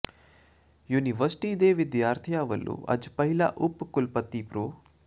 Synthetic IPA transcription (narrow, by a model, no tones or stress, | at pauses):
juːniʋəɾsʈiːd̪eːʋɪd̪jaːɾt̪ʰijaːʋəlːṵːʔɐ̰d͡ʒpəɦɪla̰ːʔʊpːkʊlpət̪ːiːpɾoː